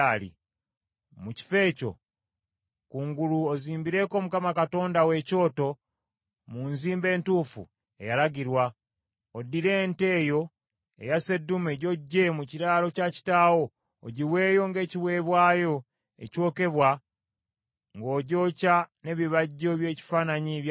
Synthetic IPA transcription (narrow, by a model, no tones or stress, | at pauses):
lḭ | muci̥fe̞ːco̞̰ | kuːŋɡuluoziːmbiɾe̞ko̞ːmukamakato̞ːndawe̞co̞ːto̞ | munziːmbe̞ːntuːfṵ | e̞̰jalaɡiɾwa | odːiɾe̞nte̞ːjo̞ | e̞̰jase̞dːumeɟo̞ɟːe̞muciɾaːlo̞caci̥taːwo̞ː | ɟiwe̞ːjo̞ŋɡe̞ːciβwe̞ːβwaːjo̞ | ḛco̞ːke̞βwa | ŋɡo̞ːɟo̞ːcane̞βiβaɟːo̞βje̞ːci̥faːnaɲiβj